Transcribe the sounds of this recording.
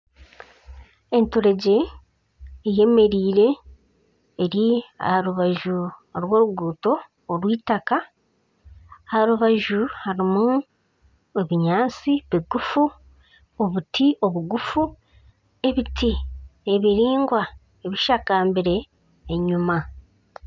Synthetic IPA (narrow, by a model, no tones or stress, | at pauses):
e̞ntuɾe̞ɟe̞ː | je̞me̞ɾiːɾe̞ː | ɾia̰haɾuβaʒuɾwo̞ːɾuɡuːto̞ː | ɾwiːtaka | haɾuβaʒuhaɾimu | eβiɲaːnt͡siβiɡufu | o̞βutʰio̞βuɡufu | e̞βitʰieβiɾiːŋɡwa | eβiʃakaːmbiɾe̞ː | ɲuma